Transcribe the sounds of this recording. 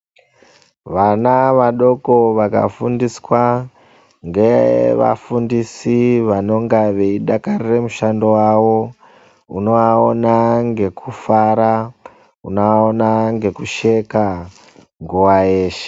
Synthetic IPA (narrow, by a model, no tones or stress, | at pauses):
ʋanaʋaɗo̞ko̞ʋaka̰fundiswa | ŋɡeʋa̰fundisiʋano̞ŋɡaʋeiɗakariremuʃando̞wawo̞ | uno̞aonaŋɡe̞kʰufaɾa | unoaonaŋɡe̞kuʃe̞ka | ŋɡuwaeːʃe̥